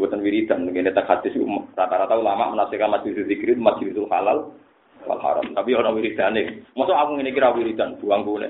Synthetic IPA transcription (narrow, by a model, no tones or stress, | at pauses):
but̪anwiɾit̪ankinɛt̪akhat̪isṵmarat̪aɾat̪aulama̰ʔmənasɛkanmat͡ʃilisuzikɾit̪umat͡ʃilisulhalal | wa̰lha̰ɾa̰mt̪apionawiɾit̪anɛkmɔsɔaɡʊŋinikiɾawiɾit̪ant̪uaŋkunɛ̰